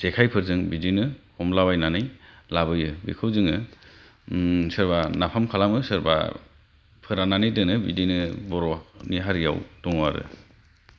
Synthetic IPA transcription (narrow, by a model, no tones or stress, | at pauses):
sekʰajpʰɯɾzɯŋbidinɯhɔmlabajnanɯjlabɯjɯbḭkʰɯwzɯŋɯ | sɯɾbanapʰamkʰalamɯsɯɾba̰ | pʰɯɾananɯjdɯnɯbidinɯbɔɾɔniɦaɾija̰wd̥ɔŋwaɾɯ̰